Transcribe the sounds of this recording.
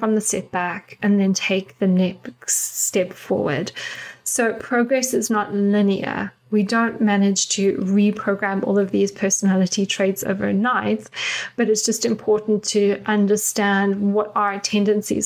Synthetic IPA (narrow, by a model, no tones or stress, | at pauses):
fɹʌ̃mðəsɛt̚b̥ækɨ̃nðɨ̃ntʰeɪk̚ðɨnɛkstɛpfɔ̰ɹwə̰˞d̥soʊpʰɹ̥oʊɡɹɛsɨznəɾlɪ̃niə̰˞ | widõʊ̃nmænɪdʒ̥tʰɨɹipʰɹ̥oʊɡɹæ̃mɔ̰lˠʌvðiz̥pʰɜ˞sənælˠəɾitʰɹ̥eɪdz̥o̰ʊvə̰˞naɪtsb̥ʌɾɨtsd̥ʒ̥ʌstɨ̃mpʰɔɹʔn̩tʰɨʔʌ̃ndə˞stæ̃ndwʌɾəə˞tʰɛ̃ndɨ̃nsḭz